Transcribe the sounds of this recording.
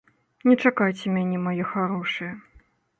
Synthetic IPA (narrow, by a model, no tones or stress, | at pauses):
nʲɛt͡ʂakajt͡sʲɛmʲanʲɛmajɛxaɾɔʂɨjɛ